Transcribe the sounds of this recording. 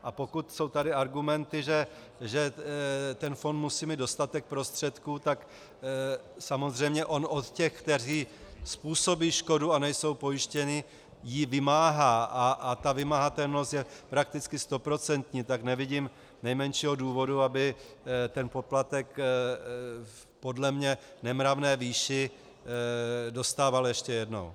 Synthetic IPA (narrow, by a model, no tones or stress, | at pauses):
ʔapo̞kut̪so̞wt̪adɪaɾɡumɛnt̪ɪʒɛ | ʒɛ | t̪ɛnfo̞nt̪musiːmid̪do̞st̪at̪ɛk̚pɾo̞st̪r̝̥ɛt̪kuːt̪ak | samo̞zr̝ɛjmɲɛʔo̞nʔo̞t̪cɛxkt̪ɛr̝iːspuːso̞biːʃko̞duanɛjso̞wpo̞jɪʃcɛnɪ | jivɪmaːɦaːʔaʔat̪avɪmaɦat̪ɛlno̞st̪jɛpɾak̚t̪ɪt͡skɪst̪o̞pɾo̞t͡sɛnt̪ɲiːt̪aknɛvɪɟiːm | nɛjmɛnʃiːɦo̞duːvo̞duabɪt̪ɛnpo̞plat̪ɛk | po̞dlɛmɲɛnɛmɾavnɛːviːʃɪ | do̞st̪aːvaljɛʃcɛjɛdno̞̰w